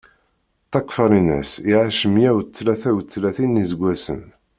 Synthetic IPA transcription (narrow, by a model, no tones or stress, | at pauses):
t̪ːɑkːfɑɾˤinæ̰siʕaʃəmjæwt̪ːlæθæwt̪ːlæθinizəɡʷːæsə̰n